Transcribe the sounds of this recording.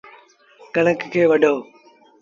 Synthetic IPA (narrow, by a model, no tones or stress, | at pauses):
kɐɽ̤̃əkkʰeːʋɐɗoː